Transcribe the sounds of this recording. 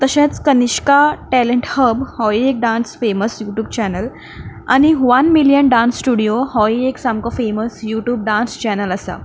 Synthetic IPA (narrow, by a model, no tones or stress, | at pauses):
t̪əɕãt͡skəniɕkaʈɛləɳʈhəbhɔiek̚ɖãnsfeməsjuʈjuːb̚t͡ɕɛnəl | a̰ñiʋanmilijənɖãnsːʈuɽijohɔieksamkɔfeməsjuʈjuːb̚ɖãnst͡ɕɛnələsa̰